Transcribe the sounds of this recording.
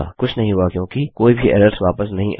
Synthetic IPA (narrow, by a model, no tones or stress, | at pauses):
kʊt͡ʃʰnɐɦĩɦuakjõːkikoːibʱiʔɛ̰ːɾəɾsʋaːpəsnɐɦĩʔ